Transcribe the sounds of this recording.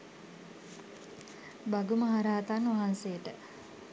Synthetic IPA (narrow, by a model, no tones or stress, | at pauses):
baɡuməɦaɾaːt̪anʋaɦansejəʈə